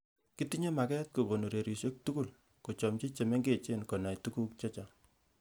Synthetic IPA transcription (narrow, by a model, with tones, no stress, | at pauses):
ki˦ti˦ɲe˦ma˨kɛ˦t̚ko˨ko˨nu˨ɾe˨ɾi˨sje˦k̚tuku˦l | ko˨t͡ʃɔ˨mt͡ʃe˦t͡ʃe˨me˦ŋɡe˦˨t͡ʃe˦nko˨na˨jtu˦ku˦k̚t͡ʃɔ˦t͡ʃa˨